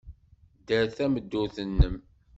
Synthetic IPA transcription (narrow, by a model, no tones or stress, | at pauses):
d̪əɾθæməd̪ːuθənːəm